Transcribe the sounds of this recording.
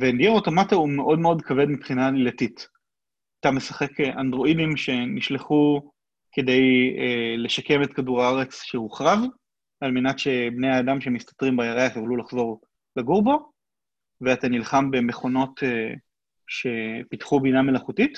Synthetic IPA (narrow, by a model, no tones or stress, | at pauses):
vendiaoto̞mataumeʔo̞dmeo̞dkʰave̞dmipχinalilatit | atame̞saχe̞keʔandʁo̞idimʃe̞niʃleχu | ke̞de̞jele̞ʃake̞metkaduʁaaʁe̞t͡sʃehuχʁav | almenatʃe̞bnejaːdamʃeemist̪ḁtʁimbajaʁeaχjoχlulaχzo̞ʁ | leɡuʁbo | veatanilχambe̞me̞χo̞no̞te | ʃe̞pitχubiname̞laχutit